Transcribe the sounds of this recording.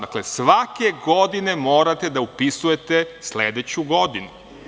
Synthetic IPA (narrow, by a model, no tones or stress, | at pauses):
d̪aklesʋake̞ɡo̞d̪ine̞mo̞ːɾat̪e̞d̪aupisuje̞t̪esleːd̪et͡ɕuɡo̞d̪inu